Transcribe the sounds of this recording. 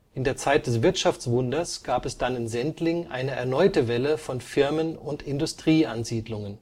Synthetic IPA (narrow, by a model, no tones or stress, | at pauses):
ʔɪndeːɐt͡saɪt̚d̥ɛsv̥ɪɐtʃaft͡sv̥ʊndɐsɡ̥aːpɛsd̥anɪnzɛntlɪŋʔa̰ɪnəɛ̰ɐnɔʏtəvɛləfɔnfɪɐmənʊntɪndʊstʁ̥iːanziːdlʊŋən